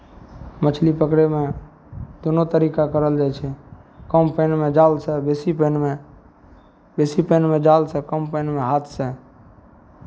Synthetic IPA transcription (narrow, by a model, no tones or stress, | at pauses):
mət͡ʃʰlipəkɾeme | d̪onot̪əɾikakəɾəld͡ʒajt͡ʃʰɛkəmpəjnmed͡ʒalsəbesipənme | besipənmed͡ʒalsəkəmpəɪnmeɦat̪ʰsə